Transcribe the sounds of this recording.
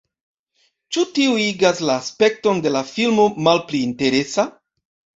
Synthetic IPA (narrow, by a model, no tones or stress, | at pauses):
t͡ʃutiuiɡaslaːspe̞k̚to̞nde̞lafilmo̞malpliːnte̞ɾe̞sa